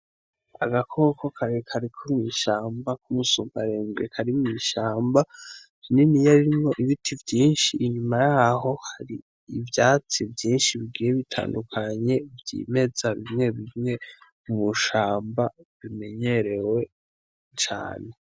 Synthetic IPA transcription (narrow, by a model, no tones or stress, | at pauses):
a̰ɡakʰoːko̞kʰaɾekʰaɾikʰumŋiʃaːmbakumusuːmbaɾeːmɡekʰaɾimŋiːʃaːmba | ininijaɾiɾimŋo̞ʔiβitʰivjiːnʃiʔːɲumajaɦo̞haɾiː | vjaːt͡sivjiːnʃiβiɡiːjeβitʰa̰ːndukʰaɲe̞vjḭːme̞z̥aβimŋe̞βimŋe̞mumuʃaːmbaβime̞ɲe̞ɾe̞we̞ | t͡ʃa̰ːne̞